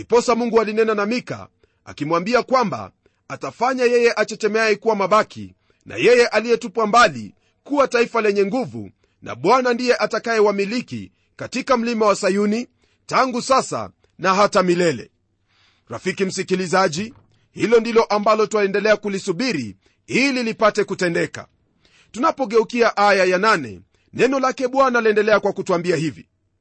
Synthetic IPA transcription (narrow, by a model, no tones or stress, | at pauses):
ipɔsamuŋɡualinɛnanamika̰ | a̰kimwambiakwamba̰ | atafaɲajɛjɛʔat͡ʃɛt͡ʃɛmɛaikuwamaɓakḭ | na̰jɛjɛʔalijɛtupwambalḭ | kuwataifalɛɲɛŋɡuvṵ | na̰ɓwanandijɛʔatakaɛwamilikḭ | katikam̩limawasajuni | taŋɡusasa̰ | naɦatamilɛlɛ̰ | ɾa̰fikim̩sikilizaʄi | hilɔndilɔʔambalɔtaɛndɛlɛakulisuɓiɾḭ | ililipatɛkutɛndɛka̰ | tunapɔɠɛukiaʔajajananɛ̰ | nɛnɔlakɛɓwanaliɛndɛlɛakwakutuambiahivḭ